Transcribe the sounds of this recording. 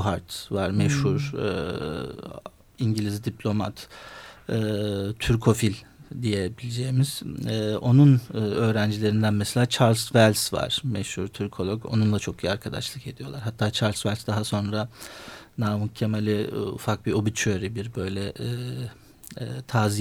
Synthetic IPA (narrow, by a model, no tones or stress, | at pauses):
ɦaɾt̪vaɾmɛʃhuɾ̰ | iɲɟilʲizd̪iplʲo̞ma̰t̪ | ɛːt̪ʰyɾkʰo̞filʲd̪ijɛbilʲid͡ʒeːmiz̥ɛo̞nunːø̞ːɾænd͡ʒilʲeɾind̪ænmɛselʲaːt͡ʃʰaɾlʲsvælʲsva̰ɾ̥mɛʃhuɾt̪ʰyɾkʰo̞lˠoko̰nunlˠat͡ʃʰo̞kijaɾkʰad̪a̰ʃlˠɯke̞d̪ijolˠaɾɦat̪ʰːaːt͡ʃʰaɾlʲsvælʲsd̪aɦaso̞nɾa | namucʰemalʲɛṵfak̚bio̞bit͡ʃʰøɾibiɾbø̞jlʲɛ | t̪ʰaːzi